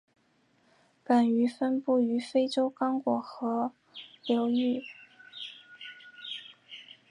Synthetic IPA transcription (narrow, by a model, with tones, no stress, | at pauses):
pa˨˩ny˧˥fə˥npu˥˩y˧˥fe˥ɪʈ͡ʂo˥ʊkɑ˥ŋkwɔ˨˩xɤ˧˥ | ljo˧˥ʊy˥˩